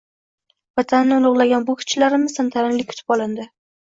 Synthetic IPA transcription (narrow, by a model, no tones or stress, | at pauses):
vat̪ʰanːɪʊlˠʊʁlˠaɡʲanbʊkʲʰʊ̥t͡ʃʰːlaɾɪmɪz̥samt̪ʰaɾɪnlɪk̚ʲʰʊ̥t̪ʰɪ̥pɒlˠɪnd̪ɪ